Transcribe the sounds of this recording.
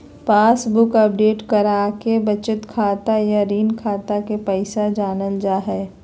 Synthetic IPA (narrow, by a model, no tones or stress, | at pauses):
paːsbʊkəp̚ɖeːʈkəɾaːkebɐt͡ʃɪt̪kʰaːt̪ajaɾiːnkʰaːt̪akepɛɪsad͡ʒaːnənd͡ʒaːɦɛː